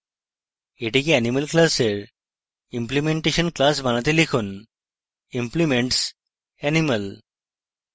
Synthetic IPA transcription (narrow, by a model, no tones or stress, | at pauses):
eʈikiæniməlklaseɾ | implimeɳʈeɕənklas̬bʱanat̪elikʰuːn | implimeɳʈs | ɛniməl